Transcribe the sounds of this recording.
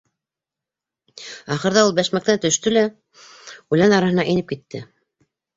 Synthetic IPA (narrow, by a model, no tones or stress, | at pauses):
ɑχɤ̆ɾðɑulˠbæʃmæk̚t̪ænt̪ɵ̆ʃt̪ɵlæ | ʉlænɑɾɑhɤ̆nɑʔinɘp̚kit̪ːɘ